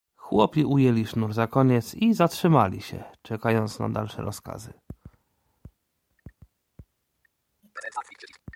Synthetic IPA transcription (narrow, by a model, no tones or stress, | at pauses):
xwɔpʲiʔujɛlʲiʂnuɾzakɔɲɛt̪sizatʂɘmalʲḭɕɛ̰t͡ʂɛkajɔnt̪sna̰d̪a̰lʂɛ̰ɾʔɔska̰zɘ